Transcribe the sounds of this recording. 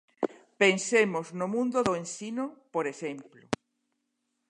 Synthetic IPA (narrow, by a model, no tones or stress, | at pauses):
pensemʊznʊmũnd̪ʊðoensinʊpoɾesemplʊ